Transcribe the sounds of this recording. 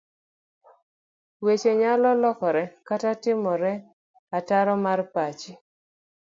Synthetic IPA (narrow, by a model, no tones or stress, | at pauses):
wet͡ʃeɲalɔlɔkɔɾɛkatatɪmɔɾɛ | ataɾɔmarpat͡ʃi